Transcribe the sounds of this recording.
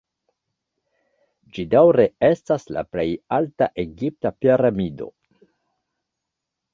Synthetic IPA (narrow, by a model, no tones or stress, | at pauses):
d͡ʒidawɾe̞e̞stasla̰ple̞jaltaʔe̞ɡip̚tapiɾamido̞̰